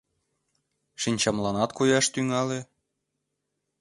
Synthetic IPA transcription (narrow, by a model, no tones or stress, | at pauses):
ʃinʲt͡ɕɑmlɑnɑt̪kujɑʃt̪yŋɑle